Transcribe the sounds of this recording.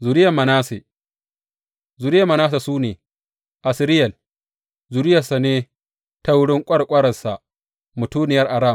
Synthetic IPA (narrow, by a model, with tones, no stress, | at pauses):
zu˨ɾɪ˦ja˨mːɐ˨naː˦se˨ | zu˨ɾɪ˦ja˨mɐ˨naː˦s̬a˨suː˦neː˨ | ʔa˨sɪ˦ɾɪ˦jɐ˨l | zu˨ɾɪ˦jɐ˨sa˨neː˦ | ta˦wʊ˦ɽɪ˦ŋkʷʼɐ˦ɽkʷʼɐ˦ɽɐ˨sa˨ | mʊ˨tuː˦nɪ˨jɐ˦rʔa˨ɽaː˦˨